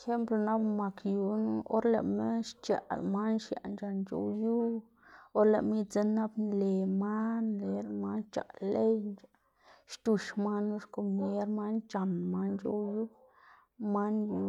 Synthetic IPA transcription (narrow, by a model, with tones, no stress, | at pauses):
xe˦mplo˨na˦bma˨kju˨n˦o̰˦ɾlḛ˨me˦ʃt͡ʃa̰˨lma˦nʃja̰˨nd͡ʒa˨nt͡ʃo̰˦ju˦ | o˦ɾle˨ʔmi˦t͡se˦na˦bnle˨ma˦nle˨ɾma˦nt͡ʃa̰˨le˦jna˨ | ʃt̪u˧ʃma˦nu˦ʃko˨me˦ɾma˦nt͡ʃa˨nma˦nd͡ʒo̰˦wju˦ | ma˦nju˧